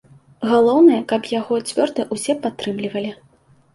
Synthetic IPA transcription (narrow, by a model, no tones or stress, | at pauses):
ɣalˠɔwnɐjɐkɐpjaɣɔt͡sʲvʲɔrd̪ɨʔusʲɛpat̪ːɾɨmlʲivɐlʲi